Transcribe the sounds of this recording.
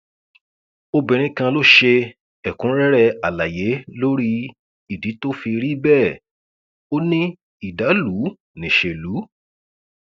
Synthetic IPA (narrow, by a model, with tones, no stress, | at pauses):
o˧bĩ˨ɾ̃ĩ˧kã˧lo˦ʃe˧ | ɛ˨kũ˨˦ɾɛ˦ɾɛ˦˧a˨la˨je˨˦lo˦ɾi˦ | i˨di˨˦to˦fi˧ɾi˦bɛ˦˨ | o˦nĩ˦ | i˦˨da˨˦lu˨˦ | nĩ˨ʃe˧lu˨˦